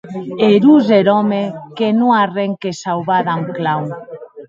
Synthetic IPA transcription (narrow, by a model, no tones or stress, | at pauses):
eɾuzeɾɔmekenũŋareŋkesawβaðaŋklaw